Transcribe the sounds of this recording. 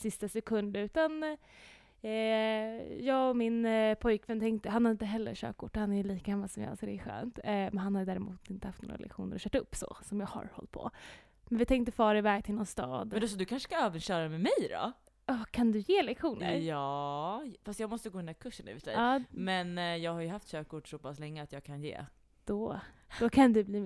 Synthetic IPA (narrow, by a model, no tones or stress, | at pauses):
sɪst̪asɛkʰɵnd̪əɾʉ̟ːt̪an | jɑːɡɔmɪnpʰɔjkvɛnt̪ʰɛŋkt̪əɦanhaɾɪnt̪əɦɛlːə̰ɾɕø̰ːkʰʊʈːhanæɾjɵliːkaɡamːalsɔmj̰alsɔd̪ɛɧø̰ːnt̪mɛnhanhaɾjd̪æːɾɛmṵːt̪ɪnt̪əhaft̪no̰ːɾa̰lɛ̰kɧṵːnəɾɔɕœːʈaɵpːsɔ̰sɔmjɑːɡha̰ɾhɔ̰lt̪̚pʰɔ̰ | mɛnvɪt̪ʰɛŋkt̪əfɑːɾɪvɛːɡ̚t̪ʰɪlnɔnst̪ɑ̰ːd̪ɛs̬ɔd̪ɵkʰanʂə̥skaøːvənɕœːɾamɛmɛjɾɔ̰ | ɑkʰand̪ɵjeːlɛkɧuːnə̰jɑːfast̪jɑɡmɔst̪əɡoːɵnapkʰɵʂːənʉ̰vɪsdɛ̰jɑːmɛnjɑːɡhaɾjɵɦaft̪ɕøːkːʊʈsɔpʰaslɛŋːəat̪jɑːɡkʰanjḛː | d̪̥ɔd̪̥ɔkʰand̪ɛbliː